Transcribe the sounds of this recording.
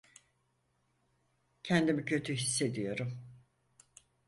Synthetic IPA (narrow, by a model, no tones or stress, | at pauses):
cʰɛnd̪imicʰø̞t̪ʰyɦisːe̞d̪ijo̞ɾum